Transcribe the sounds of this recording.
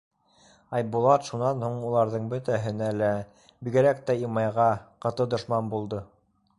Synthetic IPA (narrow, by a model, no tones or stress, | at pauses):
ɑjbulˠɑt̪ʃunɑnhuɴulˠɑɾðɤɴbɵt̪æɦɘ̆nælæ | biɡɘ̆ɾæk̚t̪æimɑjʁɑqɤ̆t̪ɤd̪ŏʃmɑnbulˠd̪ɤ